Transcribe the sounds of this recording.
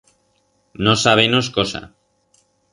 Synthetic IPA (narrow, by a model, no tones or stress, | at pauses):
nosaβ̞enoskosa̰